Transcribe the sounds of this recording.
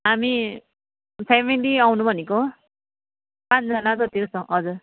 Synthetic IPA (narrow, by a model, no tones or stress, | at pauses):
ɦami | pʰemiliawnũbʱʌneko | pãt͡sʰd͡zʌnad̪ʌt̪ikosʌ̃ɦʌd͡zur